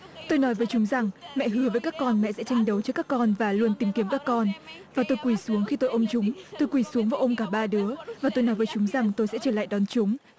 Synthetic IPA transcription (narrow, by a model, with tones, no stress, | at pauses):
t̪o˧jnɔ˨˦jvəː˨˦jt͡ɕʊ˨˦ŋ͡mza˨˩ŋmɛ̰˧˨ɦɨ˨˦əvəː˨˦jkaː˦˥kːɔ˧nmɛ̰˧˨sɛ̰˧˥t͡ɕa˧jŋ̟ɗə˨˦wt͡ɕə˧˥kːaː˦˥kːɔ˧nvaː˨˩lu˧ənt̪i˨˦mki˨˦əmkaː˦˥kːɔ˧nvaː˨˩t̪o˧jkwi˧˩su˨˦əŋxi˧t̪o˧jʔə˧mt͡ɕʊ˨˦ŋ͡mt̪o˧jkwi˧˩su˨˦əŋvaː˨˦ʔə˧wŋ͡mkaː˧˩ɓaː˧ɗɨ˨˦əvaː˨˩t̪o˧jnɔ˨˦jvəː˨˦jt͡ɕʊ˨˦ŋ͡mza˨˩ŋt̪o˧jsɛ̰˧˥t͡ɕəː˧˩la̰ː˧˨jɗɔ˨˦nt͡ɕʊ˨˦ŋ͡m